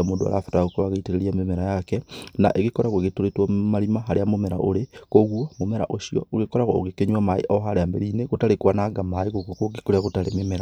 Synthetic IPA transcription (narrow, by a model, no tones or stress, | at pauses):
amondoa̰lʔafu̥taɣokoβaɣeiteɾeɾiamemeɾajakɛna̰ʔeɣekɔɾaɣweɣetoɾetwɔmaɾimaɦaɾeamomɛɾa̰ʔoɾekoɣuamomɛɾa̰ʔoʃiɔ̰oɣekɔɾaɣɔo̰ɣekeɲwamaḛʔɔɦaɾeambḛɾiːneɣotaɾekwanaɡamaiɣokokoɣekoɾeaɣotalememeɾa